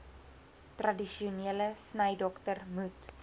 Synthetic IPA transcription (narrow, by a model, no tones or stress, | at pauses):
trɐdiʃiuniələsnəjdɔktərmut